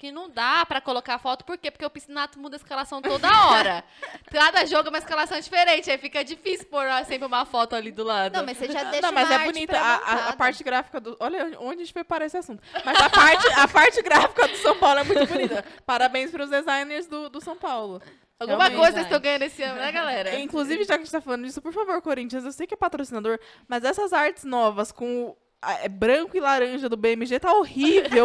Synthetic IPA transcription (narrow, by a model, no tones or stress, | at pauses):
kɪnɐ̃w̃d̪apɾɐkolokafɔt̪ʊ̥poɾkepoɾkeʊpisinat̪ʊmũd̪ɐiskalasɐ̃w̃t̪od̪ɐɐɔɾɐ | d̪lad̪ɐʒɔɡɐũmɐiskalasɐ̃w̃d͡ʒifeɾẽt͡ʃɪaifikɐd͡ʒifisɪʊpoɾaɾsẽmpɾɪũmɐfɔt̪ʊalid̪ʊlad̪ʊ̃w̃mɐseʒaneʃɐ̃w̃mɐzɛbʊnit̪ɐaapaɾt͡ʃɪɡɾafi̥kɐd̪ʊɔʎɐ̃d͡ʒõd͡ʒɪẽt͡ʃɪ̥fojpaɾaesɪasũt̪ʊmɐzɐpaɾt͡ʃɪɐpaɾt͡ʃɪɡɾafi̥kɐd̪ʊsɐ̃w̃pawlʊɛmũtʊbonit̪ɐpaɾabẽj̃spɐɾʊzd̪ezajneɾzd̪ʊd̪ʊsɐ̃w̃pawlʊ | awɡũmɐkojzɐsezt̪ɐ̃w̃ɡɐ̃jɐ̃nd̪esɪɐ̃nʊnɛɡalɛɾɐĩŋkluzivɪʒakɪɐʒẽt͡ʃt̪afalɐ̃nd̪ʊd͡ʒisʊpoɾfavoɾkoɾĩnt͡ʃiɐ̃nzewsejʊkɪɛpat̪ɾosinad̪oɾ | mɐzɛsɐzaɾt͡ʃɪ̥znɔvɐskõʊ | ɛbɾɐ̃kʊɪlaɾɐ̃ʒɐd̪ʊbeemɪʒet̪aohivew